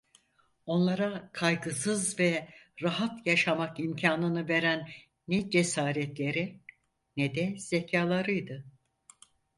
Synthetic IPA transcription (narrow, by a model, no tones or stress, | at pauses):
o̞nlˠaɾakʰajɡɯsɯzvɛɾaɦat̪jaʃamakimcʰaːnɯnɯve̞ɾænː | ɛd͡ʒe̞saːɾɛt̪lʲe̞ɾi | nɛd̪ɛz̥ecʰaːlˠaɾɯjd̪ɯ